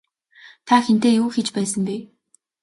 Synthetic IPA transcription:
t̪ʰaxent̪eːjuːxet͡ɕpæːsə̆mpiː

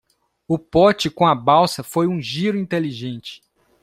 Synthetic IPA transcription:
ʊpɔt͡ʃɪkõɐbawsɐfojũʒiɾʊĩnt̪eliʒẽnt͡ʃɪ̥

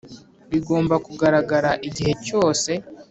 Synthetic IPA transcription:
βiɡo̞ːmbakuɡaɾaɡaɾaʔiɟihe̞co̞ːse̞

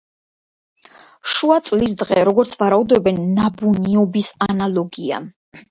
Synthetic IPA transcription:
ʃuat̪sʼlis̬d̪ʁɛɾɔɡɔɾt̪sʰvaɾaud̪ɛbɛnːabuniɔbisanalˠɔɡia̰

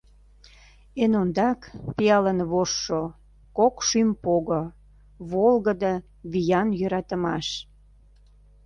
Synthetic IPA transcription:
enond̪ɑkpijɑlənβoʃːo | kokʃympoɣo | βolɣəd̪ə | βijɑnjøɾɑt̪əmɑʃ

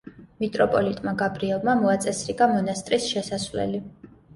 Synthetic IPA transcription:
mit̪ʼɾɔpʼɔlit̪ʼmaɡabɾiɛlˠmamɔat̪sʼɛsɾiɡamɔnast̪ʼɾisʃɛsasvlɛ̰li

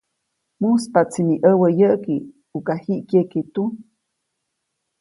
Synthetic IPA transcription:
muspat͡siniʔəwəjəʔki | ukahiʔkeket̪u

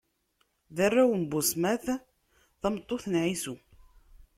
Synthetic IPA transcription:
ðærːæwəmbʊsmæθ | θɑmət̪ˤːoθənʕisu

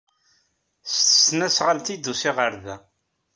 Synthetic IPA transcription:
st̪ə̥snæsʁalt̪id̪ːusɪʁəɾðæ

